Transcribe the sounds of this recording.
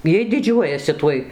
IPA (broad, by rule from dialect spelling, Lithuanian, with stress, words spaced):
ˈjiɛj dʲɪˈd͡ʒʲuɔjɛsʲɪ ˈtuɔj